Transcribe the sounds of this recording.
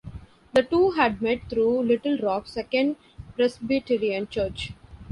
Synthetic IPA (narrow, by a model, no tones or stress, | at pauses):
d̪əʈuːɦæɖ̚meʈ̚t̪ʰɾuːlɪʈəlɾɔːksɛkə̃ɳɖ | pɾɛsbiʈɪɾiə̃nt͡ʃəːɾt͡ʃ